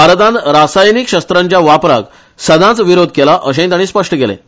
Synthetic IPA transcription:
bʱaɾt̪ãnt̪ɾasajnikɕəst̪ɾãɲt͡ɕjaʋapɾa̰k | səd̪ʱãt͡sʋiɾod̪ʱkelaʔəɕẽt̪aɽ̃iːspəʂʈəkelḛ̃

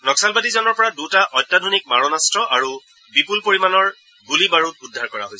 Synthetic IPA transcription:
nɔksalbadizɔnɔɹpɔɹadutaʔɔjtːadʱonik̚maɹɔnastɹɔʔaɹu | bipulpoɹimanɔɹ | ɡulibaɹut̚udʱːaɹkɔɹa̰ɦojs

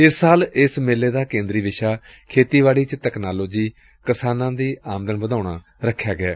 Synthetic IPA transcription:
ɪsːaːlɪsmeːlːeːd̪aːkẽːnd̪ɾiːʋɪʃaː | kʰeːt̪iːʋaːɽiːt͡ʃt̪ɛːknaːloːd͡ʒiː | kəsaːnãːd̪iːaːmd̪ənʋəd̪aːɳaː | ɾəkʰːjaːɡɪa̰ː

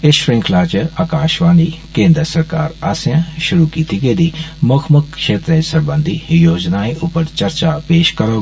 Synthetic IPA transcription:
ɪʃɾɪ̃ŋkʰlaːt͡ʃaːkaːʃʋaːnikẽːnd̪ɾəsɐɾkaːɾaːsjãʃʊɾukiːt̪ʰiɡeːd̪imokʰməkʃeːt̪ɾə̃sɐɾbə̃nd̪ʱijoːd͡ʒnaːiʔʊpəɾt͡ʃɐɾt͡ʃapeːʃkɐɾoː

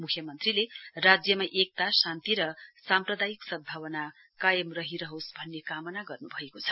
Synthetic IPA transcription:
mukʰjʌmʌnt̪rilerad͡zjʌmaʔek̚t̪asant̪iɾʌsamprʌd̪ajiksʌbʱawʌna | kajʌmrʌɦiɾʌɦosbʱʌnːekamʌnaɡʌrnubʱʌekot͡sʰʌ̥

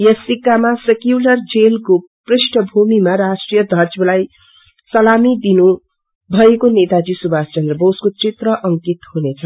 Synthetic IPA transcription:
jʌsikːamasekjulʌrd͡zelkoprisʈʰʌbʱumimaɾasʈrijʌd̪ʱʌd͡zbʌlaj | sʌlamid̪inu | bʱʌekonet̪ad͡zisubʱast͡ʃʌnd̪rʌboskot͡sit̪rʌʔʌŋkit̪hunet͡sʰʌ

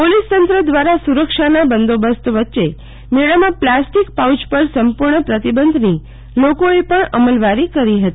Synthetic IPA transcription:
polist̪ənt̪ɾəd̪ʋaɾasuɾəkʃanabənd̪obəst̪ʋətːʃe | meɭəmãplasʈikpawt͡ʃpəɾsəmpuɾɳəpɾət̪ibənd̪ʱni | lokoepəɳəməlʋaɾikəɾiɦət̪ii

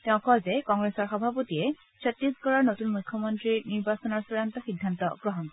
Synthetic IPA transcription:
tɛʊ̃kɔlzɛkɔŋɡɹesɔɹxɔbʱapotiɛ | sʰɔt̪ɹisɡɔɹaɹnotunmujkʰːɔmɔntɹiniɹbasɔnɔɹsɔɹantɔxidʱːantɔ̰ɡɹɔɦɔn

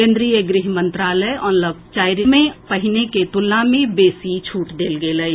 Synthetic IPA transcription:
ẽːnd̪ɾijeɡɾɪɦmə̃nt̪ɾaːləɔːnləb̚t͡ʃaːɪɾimẽpəɦɪneket̪ʊlːãːmẽbeːsit͡ʃʰuːʈd̪eːlɡeːləe

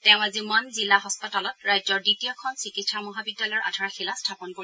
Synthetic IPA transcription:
tɛʊ̃azimɔnzilaɦɔspitalɔtɹajzɔɹditijɔkʰɔnsikitsamɔɦabiɡ̚dːalɔjʔa̰dʱaɹaxilastʰapɔnkoi

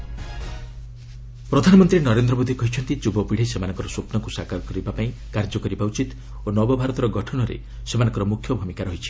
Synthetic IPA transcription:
pɾɔd̪ʱanɔmɔnt̪ɾinɔɾend̪ɾɔmod̪ʱikɔɦit͡ʃʰɔnt̪it͡ʃubɔpiɽ̤isemanɔ̃ŋkɔɾɔsopnɔŋkusakaɾɔkɔɾibapaĩ | kaɾd͡ʒɔkɔɾibauwt͡ʃit̪ | onɔbɔbʱaɾɔt̪ɔɾɔɡɔʈʰɔnɔɾḛ | semanɔ̃ŋkɔɾɔmukʰːjɔbʱumikaɾɔɦit͡ʃʰi̥

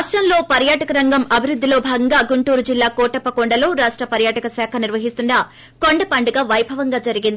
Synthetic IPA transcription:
ʂʈɾɐmlo̞ːpɐɾjaːʈɐkɐɾɐŋɡɐmɐbʱiɾud̪ʱːilo̞ːbʱaːɡɐŋɡaːɡuɳʈuːɾud͡ʒilːaːkɔːʈɐpːɐkoɳɖɐlo̞ːɾaːʂʈɾɐpɐɾjaːʈɐkɐsaːkʰɐniɾʋɐɦist̪unɖɐ | ko̞ɳɖɐpɐɳɖuɡaːʋɐjbʱɐʋɐŋɡaːd͡ʒɐɾiɡind̪i

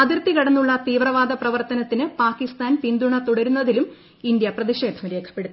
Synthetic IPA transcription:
ɐðirt̪ikɐɽɐnːuɭːɐt̪iːʋrɐʋaːd̪ʱɐprɐʋɐrt̪ɐnɐt̪ːinɨpaːkist̪aːnpind̪uɳɐt̪uɽɐɾunːɐðilum | ind̪jɐprɐðiʂe̞ːd̪ʱɐmɾe̞ːkʰɐ̥pːe̞ɽuː

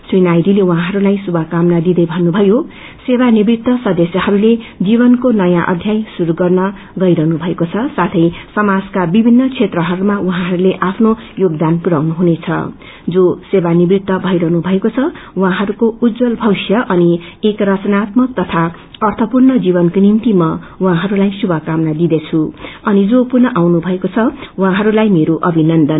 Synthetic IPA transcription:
swinajd̪ilew̃ɦãɦʌɾulajsubʱʌkamnad̪id̪ʌjbʱʌnːubʱʌjo | sebanibɾit̪ːʌsʌd̪esjʌhʌɾuled͡ziβʌnkonʌjãʔʌ̰d̪ʱjajsuɾuɡʌrnʌ | ɡʌjɾʌɦnubʱʌekot͡sʰʌsat̪ʰʌjsʌmad͡zkabibʱinːʌt͡sʰet̪rʌɦʌɾumauɦãɦʌɾuleʔapʰnojoɡd̪anpuɾawnuɦunet͡sʰʌ̰ | d͡zosebanibɾit̪ːʌbʱʌjɾʌɦnubʱʌekot͡sʰʌwɦãɦʌɾukoud̪d͡zʌlbʱʌwsjʌʔʌniekrʌt͡sʌnat̪mʌk̚t̪ʌt̪ʰa | ʌrt̪ʰʌpurnʌd͡zibʌnkonimt̪imʌwɦãɦʌɾulajsubʱʌkamnad̪id̪et͡sʰuʌnid͡zopurnʌʔawnubʱʌekot͡sʰʌwũɦãɦʌɾulajmeɾoʔʌbʱinʌnd̪ʌn

